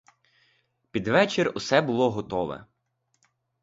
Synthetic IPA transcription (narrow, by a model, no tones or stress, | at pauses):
pʲid̪ʋɛt͡ʃɪrʲusɛbʊlˠɔɦɔt̪ɔʋɛ̰